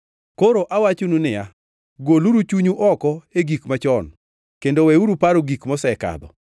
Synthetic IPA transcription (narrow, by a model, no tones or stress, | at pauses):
koɾoʔawat͡ʃonunɪja | ɡoluɾut͡ʃuɲuʔɔkɔeɡikmat͡ʃɔn | kendowɛuɾupaɾoɡikmɔsɛka̰d̪ɔ̰